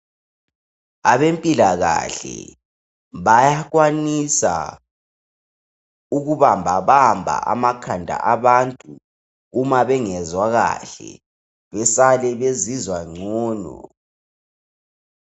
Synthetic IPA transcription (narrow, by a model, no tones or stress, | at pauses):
aβempʼilaɣa̰ɬɛ̰ | βajaɣwanisa̰ | uɣuβambʱaβambʱa̰a̰makʰandʱa̰ʔaβantʼuː | maβɛŋɛzwaɣa̰ɬɛ̰ | βɛsalɛβezizwaŋ͡ǀʱɔːnɔ̰